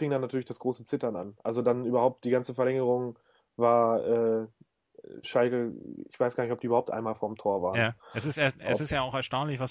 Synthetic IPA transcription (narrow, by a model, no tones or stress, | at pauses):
fɪŋdanːatʰyɐlɪçd̥asɡ̥ʁoːsət͡sɪtɐna̰nʔalzodanʔyːbɐhaʊp̚t̚d̥iːɡant͡səfɛɐlɛŋəʁ̞ʊŋ | vaːɐʔɛː | ʃalkəɪ̰çv̥aɪsɡ̥aɐnɪçɔp̚diːyːɐahʊp̚tʔa̰ɪnmaːlfoːɐɪmtʰoːɐva̰ːʁjaɛsɪstɛɛsɪstjaːaʊxɛɐʃtaʊnlɪçvas